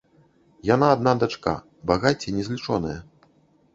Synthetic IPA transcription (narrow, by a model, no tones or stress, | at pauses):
janaːd̪̚nad̪at͡ʂka̰ | baɣat͡sʲɛnʲɛzʲlʲit͡ʂɔnɐjɐ